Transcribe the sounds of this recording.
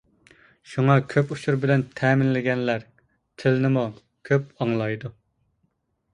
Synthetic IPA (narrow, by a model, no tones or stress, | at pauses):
ʃuŋɑkʲʰøpuʃuɾbɪlɛnt̪ʰɛːmɪnlɪɡʲɛnlæɾ | t̪ʰɪlnɪmu | kʲʰøp̚ɑŋlˠɑjd̪u